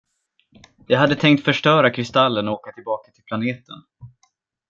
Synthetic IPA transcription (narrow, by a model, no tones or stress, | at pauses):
jɑːɡɦad̪ːət̪ʰɛŋk̚t̪fœʂʈœːɾakʰɾɪst̪alːənɔoːkat̪ʰɪlbɑːkḁt̪ʰɪlpʰlaneːt̪ə̰n